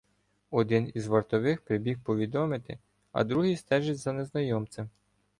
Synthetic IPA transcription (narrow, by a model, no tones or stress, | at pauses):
ɔd̪ɪnizʋɐrt̪ɔʋɪxpɾɪbʲixpɔʋʲid̪ɔmɪt̪ɪ̰ | ɐ̰d̪ɾuɦist̪ɛʒɪt͡sʲzɐneznɐjɔmt͡s̪ʲɪm